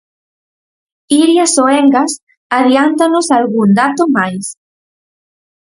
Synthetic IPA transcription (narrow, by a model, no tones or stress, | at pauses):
iɾjasoeŋɡas | aðjant̪anosalɣuŋd̪at̪omajs